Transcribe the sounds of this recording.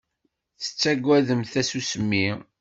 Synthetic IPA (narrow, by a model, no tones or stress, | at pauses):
θə̥t͡sːæɡʷːæðəmθæsusəmːi